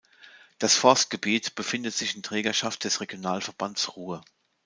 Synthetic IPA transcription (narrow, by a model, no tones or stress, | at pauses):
d̥asfɔɐst̚ɡ̥əbiːtb̥əfɪndətz̥ɪçɪntʁ̥ɛːɡɐʃaft̚d̥ɛsʁeɡjonaːlfɛɐb̥ansʁuːə